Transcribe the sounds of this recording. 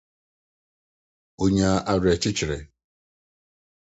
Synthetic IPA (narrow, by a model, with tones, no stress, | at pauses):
o˦ɲa˦ʔa˨ɾe˨t͡ʃɪ˦t͡ʃɪ˨ɾḛ˨